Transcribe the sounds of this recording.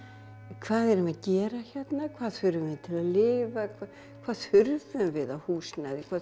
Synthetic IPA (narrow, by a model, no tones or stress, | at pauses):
kʰv̥aːðɛɾʏmaðcɛːɾaçɛt̪nakʰvaːðfʏɾʏmvɪt̪ʰɪlaðlɪːvakʰa | kʰvaːð̥fʏɾðʏmvɪðaðhuːsnaðɪkʰvaː